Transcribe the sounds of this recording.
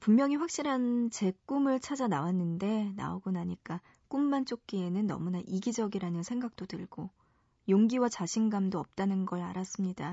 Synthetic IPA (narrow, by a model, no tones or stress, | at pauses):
pummjʌŋiɸwak̚ɕ͈iɾɦant͡ɕe̞k͈umɯɭt͡ɕʰad͡ʑanawanːɯnde̞na̰oɡonaɲik͈a | k͈umːant͡ɕ͈ok̚k͈ienɯnːʌ̰munaʔiɡid͡ʑʌɡiɾanɯnsʰe̞ŋɡak̚t͈otɯɭɡ̥o | joŋɡiwat͡ɕaɕʰinɡamdoʌp̚t͈anɯnɡʌɭa̰ɾas͈ɯmɲida